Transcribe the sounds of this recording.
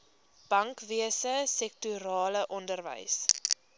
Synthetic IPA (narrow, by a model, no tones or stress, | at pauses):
b̥ɐŋkviəsəsɛk̚tuɾɑːləʔɔndərvə̰js